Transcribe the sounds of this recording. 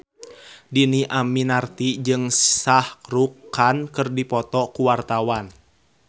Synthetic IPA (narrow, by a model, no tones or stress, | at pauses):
diniʔaminart̪id͡ʒɨŋsahɾukankɨrdipɔt̪ɔkuwart̪awan